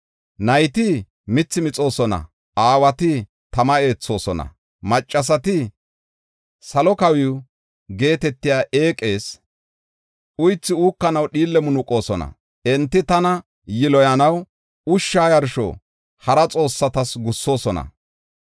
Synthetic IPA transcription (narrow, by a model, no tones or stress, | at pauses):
nɐjt̪ɪ | mɪt͡sːɪmɪt͡sʼo̞ːsɔnɐ̰ | aːwɐt̪ɪ | t̪ɐmɐe̞ːt͡sːo̞ːsɔnɐ̰ | mɐt͡ʃʼːɐs̬ɐt̪ɪ | sɐlɔkɐwɪw | ɡe̞ːt̪ɛt̪ːɪjaːʔe̞ːkʼe̞ːs | ʔʊjt͡sːɪuːkːɐnɐwɗiːlːɛmʊnʊkʼo̞ːsɔnɐ̰ | ɛnt̪ːɪt̪ɐnɐ | jɪlɔjɐnɐw | ʊʃːaːjɐɾʃɔ̰ | hɐɾɐt͡sʼo̞ːsːɐt̪ɐsɡʊsːo̞ːsɔnɐ̰